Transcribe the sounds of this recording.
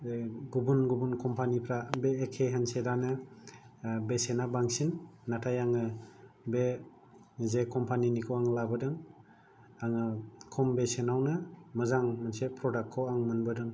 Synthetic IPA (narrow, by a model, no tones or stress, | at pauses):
ɡubunɡubunkʰɔmpʰanipʰɾabeːkʰːeɦansedanɯ | besenabaŋsinːatʰajaŋɯbe | zekʰɔmpʰaninikʰowaŋlabɯdɯŋ | aŋɯkʰɔmbesenawnɯmɯzaŋmansepʰɾɔdakʰːɔwaŋmɯnbɯdɯŋ